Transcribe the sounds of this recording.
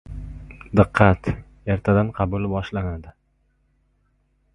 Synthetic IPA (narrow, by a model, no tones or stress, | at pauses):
d̪ɨqʰːɑt̪ | jaɾt̪ʰad̪anqʰɑbʊlbɒʃlanad̪ɪ